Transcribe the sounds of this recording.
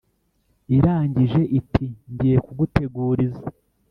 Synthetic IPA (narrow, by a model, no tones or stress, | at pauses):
iɾaːɲɟiʒe̞ʔitʰiɲɟiekuɡuteɡuːɾiza